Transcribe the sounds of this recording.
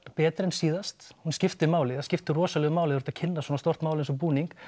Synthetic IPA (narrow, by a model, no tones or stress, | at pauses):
pɛːt̪ɾɛnsiːðast̪hunscɪft̪ɪmaːwlɪascɪft̪ɪrɔːsalɛɣʏmaːwlɪɾ̥t̪acʰɪnːaswɔːnast̪ɔr̥t̪maːwlɪnsɔpuːniŋk